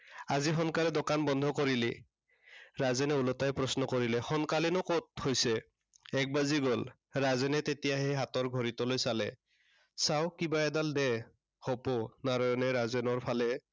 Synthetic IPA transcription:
azixɔnkalɛdokanbɔnd̪ʱɔkoɹili | ɹazɛnɛulɔtajpɹɔsnɔkoɹilɛxɔnkalɛnɔkot̚hojsɛ | ɛk̚baziɡɔl | ɹazɛnɛtetijaɦɛɦatɔɹɡʱɔɹitɔlojsalɛ | sawkibaɛdaldɛ | hoponaɹɔjɔnɛɹazɛnɔɹpʰalɛ

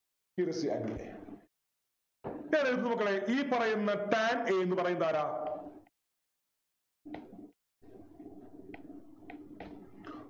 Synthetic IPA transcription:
iɾɐsiɐ̰nilḛ | ɲaːneɾut̪ːnɨmukːɐɭeʔiːpɐrɐjunːɐʈaːneːenːɨpɐrɐjund̪aːɾaː

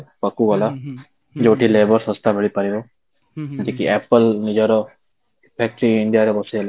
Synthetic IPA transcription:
pəkːuola | d͡ʒoːʈʰileːbəɾsəst̪abʱəɭipəɾiʋoː | d͡ʒikiɛːpəlnid͡ʒəɾo | pʰɛːk̚ʈɾiɪɳɖijaːɾebɔsel

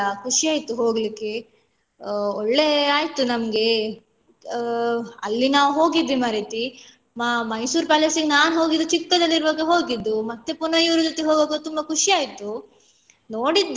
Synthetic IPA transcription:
ɐkʰuʂiaːjit̪ːuɦoːɡlikːe̞ | oɭːe̞aːjt̪unɐmɡe̞ | ɐlːinaːʋɦo̞ːɡid̪ʋimaːɾet̪i | mamɐjsuːɾpaːlesiɡnaːnɦo̞ːɡid̪ːut͡ʃikːɐd̪ɐlːiɾʋɐɡeɦo̞ːɡid̪ːumɐt̪ːepunɐjuʋɾud͡ʒot̪ːeɦoːɡoɡut̪umbɐkʰuʂiaːjt̪ːu | noːɽid̪ː

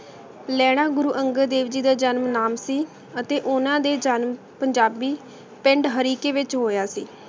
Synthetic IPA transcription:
lɛːɽ̃aːɡʊɾuːʔəŋɡəɾd̪eːʋd͡ʒiːd̪aːd͡ʒənmnaːmsiː | ət̪eːʔʊnãːd̪eːd͡ʒənm | pəɲd͡ʒaːbiː | pɪ̃ɳɖɦəɾiːkeːʋɪt͡ʃɦoːjaːsiː

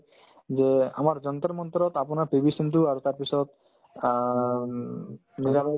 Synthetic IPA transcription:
d͡ʑea̰maɾd͡ʑɔnt̪aɾmɔnt̪ɔɾɔt̪apɔnapibisent̪uaɾt̪aɾpit͡ɕʰɔt̪ | niɡaba

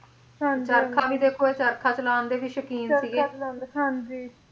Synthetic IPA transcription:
t͡ʃəɾkʰaːbiːd̪eːkʰoːeːt͡ʃəɾkʰaːt͡ʃəlaːnd̪eːbiːʃəkiːnsiːɡeːɦand͡ʒi

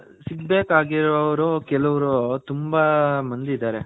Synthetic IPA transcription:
siɡbeːkaːɡiɾɔɐʋɐɾukɛlɐʋɐɾut̪umbamɐnd̪id̪aːɾe

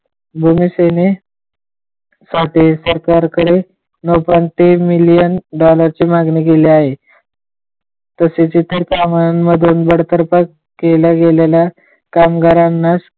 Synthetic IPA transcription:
bʱumiːsene | saʈiːsəɾkaɾkəɾe | nopant̪emilijənɖɔləɾt͡ɕiːmaɡniːkeliaɦe | t̪əset͡ɕit̪əɾkamaməd̪ʱuːnbəɽ̤t̪əɾpakː | eləɡelelja | kamɡaɾanːas

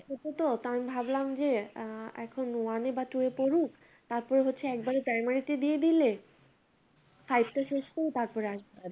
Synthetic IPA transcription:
ot̪ot̪ot̪ambʱablamd͡ʑeɛ̰kʰonwanebat̪uepoɾuk | t̪aɾpɔɾeɦotːɕʰeɛk̚baɾepɾajmaɾit̪ed̪ijed̪ile | fajb̚ʈ̪aʃeʃʈejt̪aɾpɔɾeaʃa

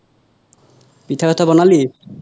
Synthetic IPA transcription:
pit̪ʰaɔt̪abɔnali

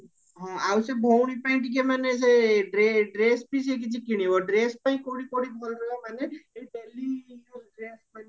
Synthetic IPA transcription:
ɦɔ̃awsebʱɔwɽ̃ipaĩʈik̬emanes̬eɖɾeɖɾespisek̬it͡ʃʰikiɽ̃ibɔɖɾespaĩkoɽikoɽib̪ʱɔlɾəamaneebɛliɖɾesman

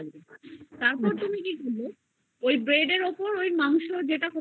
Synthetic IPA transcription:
t̪aɾpɔɾt̪umikikolo | ojbɾeɖeɾopoɾojmaŋʃod͡ʑeʈako

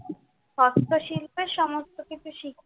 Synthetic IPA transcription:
ʃɔst̪oʃilpeɾʃɔmost̪ʰokit͡ɕuʃikʰ

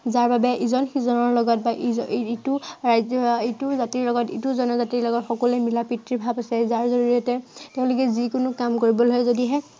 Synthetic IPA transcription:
zaɹbabɛʔizɔnxizɔnɔɹlɔɡɔt̚baʔiituɹaetʊzatiɹlɔɡɔtituzɔnɔzatiɹlɔɡɔtxɔkɔlɛmilapitɹibʱabasɛzaɹzɔɹuɹiɔtɛtɛʊ̃lʊk̬ɛzikʊnʊkamkoɹibɔlɔjzodiɦɛ

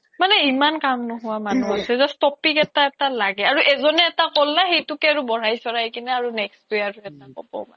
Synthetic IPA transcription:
manɛimankamnʊɦʊwamanuasɛzɔstɔpikɛtaɛtalaɡɛaɹuʔɛzɔnɛːtakolːaxejtukɛaɹubɔɹajsɔɹajkinɛaɹunɛkstjaɹuɛtakɔ̰bɔ̰ma

